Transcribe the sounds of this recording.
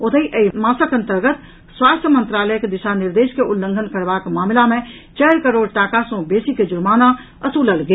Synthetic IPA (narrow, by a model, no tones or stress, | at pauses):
ʊt̪ʰəiʔəimaːsəkə̃nt̪əɾɡət̪ | swaːst̪ʰjəmə̃nt̪ɾaːləjəked̪ɪʃanɪɾd̪eːʃkeʔʊlːə̃ŋɡʱənkəɾʋaːkmaːmɪlamẽ | t͡ʃɛːɾkəɾoːɖʈaːkasõbeːsiked͡ʒʊɾmaːna | əsuːləlɡe